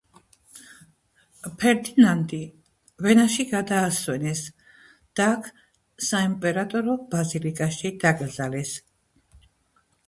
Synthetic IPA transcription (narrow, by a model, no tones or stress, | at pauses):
pʰɛɾd̪inand̪ʼi | vɛnaʃiɡad̪aːswɛnɛs | d̪̥akʰ | saimpʼɛɾat̪ʼɔɾɔb̥azilikʼaʃid̪̥aɡʼɾd̪zalɛs